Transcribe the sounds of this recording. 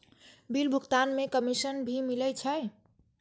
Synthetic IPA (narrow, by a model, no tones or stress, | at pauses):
bilbʱukt̪anmekəmisənbʱimilɛt͡ʃʰəj